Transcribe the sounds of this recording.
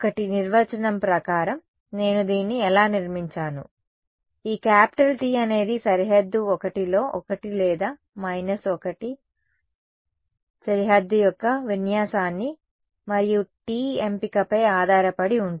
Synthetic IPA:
ɔkɐʈiniɾʋɐt͡ʃɐnɐmpɾɐkaːɾɐm | ne̞ːnud̪iːnːiɛlaːniɾmiɲt͡ʃaːnṵ | iːkaːpi̥ʈɐlʈiːɐne̞ːd̪isɐɾiɦɐd̪ːuɔkɐʈilo̞ːʔɔkɐʈilɛːd̪aː | mɐjnɐsɔkɐʈi | sɐɾiɦɐd̪ːujɔkːɐʋinjaːsaːnːi | mɐɾijuʈiːempikɐpɐjaːd̪ʱaːɾɐpɐɽiuɳ

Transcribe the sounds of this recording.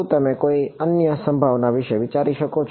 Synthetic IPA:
t̪əmekoiənjəsə̃mbʱaʋnaʋɪʃəʋit͡ʃaɾiʃəkot͡ʃʰ

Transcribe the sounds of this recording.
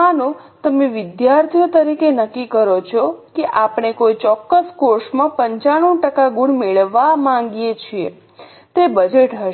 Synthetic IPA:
anũ | t̪əmeʋɪd̪jaɾt̪ʰijot̪əɾikenəkːikəɾot͡ʃʰɔkeʔapɳ̃ekojt͡ʃɔkːəskoɾsmãpəɲt͡ʃaɽ̃ũʈəkaɡuɳmeɭʋamãŋɡjet͡ʃʰiḛ | t̪ebəd͡ʒeʈɦəʃ

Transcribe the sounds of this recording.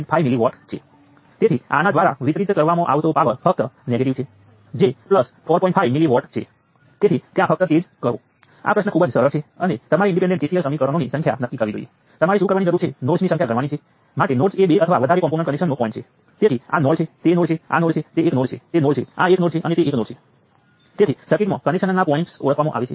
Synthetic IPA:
ɳʈfʰajmiliʋɔʈt͡ʃʰḛ | t̪et̪ʰia̰nad̪ʋaɾa̰ʋit̪ɾit̪kəɾʋamoʔa̰ʋt̪opaʋəɾfək̚t̪əneɡeʈiʋt͡ʃʰe | d͡ʒepləsfʰɔɾpɔĩɳʈfʰajmiliʋɔʈt͡ʃʰḛ | t̪et̪ʰit̪jãfʰək̚t̪ət̪ed͡ʒkəɾo̰ | a̰pɾəsnəkʰubəd͡ʒsəɾəɾt͡ʃʰeənet̪əmaɾiɪ̃ɳɖip̬eɳɖẽɳʈesijəlsəmikəɾʋanonisə̃ŋkʰja̰nəkːikəɾʋid͡ʒo̰iḛ | t̪əmaɾiʃukəɾʋanid͡ʒəɾũt͡ʃʰenoɽsnisə̃ŋkʰjakəɾʋanit͡ʃʰe | maʈenoʈseɓeʔət̪ʰəʋaʋəd̪ʱaɾekɔ̃mponẽɳʈkənekʃənːopɔĩɳʈt͡ʃʰe | t̪et̪ʰia̰nɔɽt͡ʃʰet̪enoɽt͡ʃʰea̰noɽt͡ʃʰet̪eːknoɖt͡ʃʰet̪enoɽt͡ʃʰea̰eknoɖt͡ʃʰeʔənet̪eeknoɽt͡ʃʰe | t̪et̪ʰisəɾkiʈmã̰kənekʃənnːapɔiɳʈso̰ɭəkʰʋamõʔa̰ʋet͡ʃʰe

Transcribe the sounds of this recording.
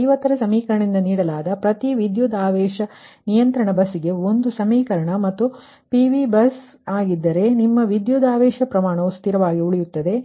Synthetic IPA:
jʋɐt̪ːɐɾɐsɐmiːkɐɾɐɳind̪ɐniːɽɐlaːd̪ɐpɾɐt̪iʋid̪juːd̪aːʋɛːʃɐnijɐnt̪ɾɐɳɐbɐsiɡe̞o̞nd̪usɐmiːkɐɾɐɳɐmɐt̪ːu | piʋibɐs | aːɡid̪ːɐɾe̞nimːɐʋid̪juːd̪aːʋɛːʃɐpɾɐmaːɳɐust̪iɾɐʋaːɡiuɭijut̪ːɐd̪e̞

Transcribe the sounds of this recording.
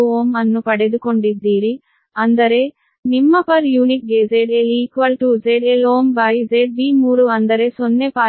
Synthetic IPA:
uoːmɐnːupɐɽed̪ukoɳɖid̪iːɾi | ɐnd̪ɐɾeː | nimːɐpɐɾjuːnik̚ɡeːd͡ʒeɖeliːkʋɐlʈud͡ʒeɖeloːmbɐjd͡ʒeɖ̚biːmuːɾuɐnd̪ɐɾeːsonːepaː

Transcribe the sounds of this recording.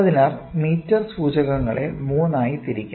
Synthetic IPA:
ɐðinaːrmiːtːɐrsuːd͡ʑɐɣɐŋːɐɭe̞̰muːnaːjit̪iɾikʲːa

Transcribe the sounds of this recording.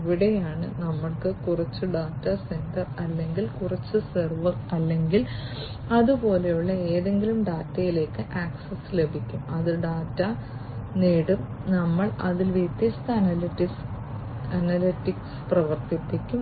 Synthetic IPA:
ʋiɽejaːɳɨnɐmːɐɭkɨkurɐt͡ɕːuɖaːtːɐse̞ndɐrɐlːe̞ŋɡilkurɐt͡ɕːɨsɐrʋɐrɐlːe̞ŋɡil | ɐðupo̞ːle̞juɭːɐeːðe̞ŋɡilumɖaːtːɐjile̞ːkːɨʔaːksɐsle̞bʱikʲːumɐðɨɖaːtːɐneːɽɨrnɐmːɐɭɐðilʋit̪jɐst̪ɐɐnɐliʈis | ɐnɐliʈːiksprɐʋɐrt̪ipːikʲːum

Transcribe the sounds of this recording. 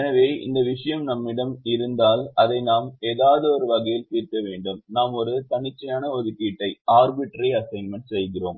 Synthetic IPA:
ɛnɐʋeːɪ̰nd̪ɐʋɪʂɐjɐmnɐmːɪɽɐmɪɾɯnd̪aːlɐðɐɪnaːmeːðaːʋɐðɐɔɾɯʋɐɣɐjɪlpiːrkɐʋeːɳɖɯmnaːmɔɾɯt̪ɐɳɪt͡ʃːɐjaːnɐɔðɯkːiːʈːɐɪaːɾbɪʈːɐɾiɐsɐɪnmɐɳsɛjɣɪro̰ːm

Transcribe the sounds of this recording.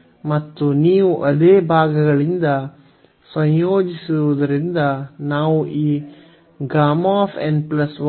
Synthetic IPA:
mɐt̪ːuniːʋuʔɐd̪eːbʱaːɡɐɡɐɭind̪ɐ | sɐ̃jjoːd͡ʒisuɾʋud̪ɐɾind̪ɐnaːʋuʔiː | ɡɾaːmaːpʰḛɳɖplɐsʋ

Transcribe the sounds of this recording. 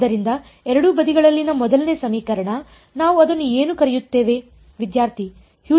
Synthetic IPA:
ɐɾind̪ɐ | ɛɾɐɽubɐd̪iɡɐɭɐlːinɐmɔd̪ɐlne̞ːsɐmiːkɐɾɐɳɐ | naːʋuɐd̪ɐnːue̞ːnukɐɾɛjut̪ːe̞ːʋe | ʋid̪jaːɾt̪ʰi | hjuː

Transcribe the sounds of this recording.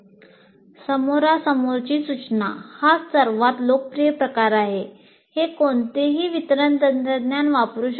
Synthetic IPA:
səmoɾasəmoɾt͡ɕiːsut͡ɕnahasəɾʋat̪lok̚pɾijəpɾəkaɾaɦe | hekoɳt̪eɦiːʋit̪ɾənt̪əd̪t̪əd̪njanʋapɾuɕ

